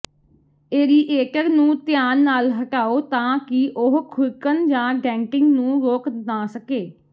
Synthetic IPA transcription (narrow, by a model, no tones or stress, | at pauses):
eːɾiːʔeːʈəɾnũːt̪ɪjaːnːaːlɦəʈaːoːt̪ãːkɪʔʊɦkʰʊlkənd͡ʒãːɖɛ̃ːŋkɪŋɡnũːɾoːknaːsəkeː